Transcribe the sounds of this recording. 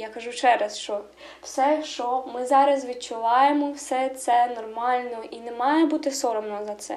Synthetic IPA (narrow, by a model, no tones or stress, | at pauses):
jɑkɐʒut͡ʃɛɾɐsʃt͡ʃɔ | w̥sɛʃt͡ʃɔmɪzɑɾɐsʋʲid̪̚t͡ʃʊʋɑjemɔwsɛt̪sɛnɔrmɑlʲnɔʔinɛmɑjɛbut̪ɪsɔɾɔmnɔzɐt̪sɛ̰